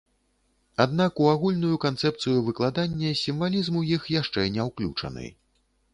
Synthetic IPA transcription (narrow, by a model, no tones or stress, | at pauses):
ad̪nakuaɣulʲnujukant̪sɛp̚t̪sɨjuvɨklˠad̪anʲːɛsʲimvalʲizmujixjaʂt͡ʂɛnʲɛwklʲṵt͡ʂɐ̰nɨ̰